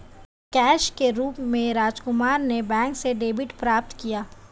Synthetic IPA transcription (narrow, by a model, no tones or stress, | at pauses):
kɛːʃkeɾuːpmẽɾaːd͡ʒkʊmaːɾnebɛ̃ːŋkseɖeːbɪʈpɾaːp̚t̪kijaː